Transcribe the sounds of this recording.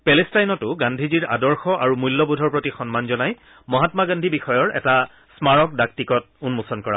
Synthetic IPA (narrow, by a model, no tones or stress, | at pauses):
pɛlɛstajnɔtʊɡandʱiziɹa̰dɔɹxɔʔaɹumujlːɔbudʱɔɹpɹotixɔnmanzɔnaj | mɔɦatmaɡandʱibixɔjɔɹɛ̰ta | smaɹɔk̚dak̚tikɔt̚ | unmusɔnkɔɹa̰